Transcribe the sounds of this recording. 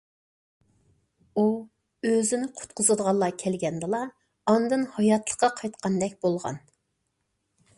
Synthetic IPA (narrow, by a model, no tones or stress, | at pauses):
u | øzɪnɪqʰʊ̥t̪qʰʊzɨd̪əʁɑnlˠːɑkʲʰɛlɡʲɛnd̪ɨlˠɑ | ɑnd̪ɨnhɑjɑt̪ʰlˠə̥χqqɑqʰɑjt̪qʰɑnd̪ɛkʲbolˠʁɑ̰n